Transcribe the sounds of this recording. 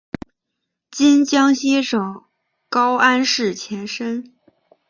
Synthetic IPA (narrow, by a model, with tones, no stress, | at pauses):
t͡ɕi˥nt͡ɕjɑ˥ŋɕjɛ˥ʂɤ˨˩ŋ | kɑ˥ʊʔa˥nʂɻ̩˥˩t͡ɕʰjɛ˧˥nʂə˥n